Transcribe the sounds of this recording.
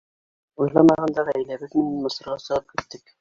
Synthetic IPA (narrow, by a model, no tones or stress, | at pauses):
ujlˠɑmɑʁɑnd̪ɑʁæjlæbɘk̪mɘnæmɤ̆sɤ̆ɾʁɑsɤ̆ʁɤp̚kʲĭt̪ːɪk